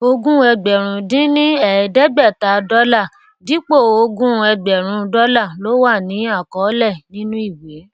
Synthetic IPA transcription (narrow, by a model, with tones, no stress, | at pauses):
o˧ɡũ˦ɛ˧ɡ͡bɛ˨ɾ̃ũ˨˧dĩ˦nĩ˦ɛ˨ɛ˨dɛ˦ɡ͡bɛ˦˨ta˨dɔ˦la˦˨ | di˨˦k͡po˦˨o˧ɡũ˦ɛ˧ɡ͡bɛ˨ɾ̃ũ˧˦dɔ˦la˦˨lo˨˦wa˦˨nĩ˨˦a˦˨kɔ˨˦lɛ˦˨nĩ˦nũ˦i˦˨we˨˦